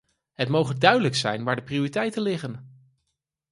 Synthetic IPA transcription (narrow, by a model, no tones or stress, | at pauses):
ɦətmowχəndœɥdələksɛ̰jnʋaːɹdəpriʊritɛjtənlɪχən